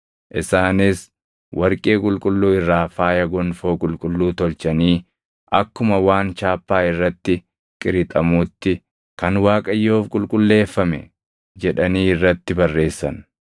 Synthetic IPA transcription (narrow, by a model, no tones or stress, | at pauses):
ʔɪsaːnɪs | wʔɐɾkʼeːkʼʊlkʼʊlːuːɪrːaːfaːjɐɡɔnfo̞ːkʼʊlkʼʊlːuːt̪ɔlt͡ʃɐniː | ʔɐkːʊmɐwaːnt͡ʃaːpːaːɪrːɐt̪ːɪ | kʼɪɾɪt̪ʼɐmuːt̪ːɪ | kɐnwaːkʼɐjːoːfkʼʊlkʼʊlːe̞ːfːɐmɛ̰ | d͡ʒɛᶑɐniːɪrːɐt̪ːɪbɐrːe̞ːsːɐ̰n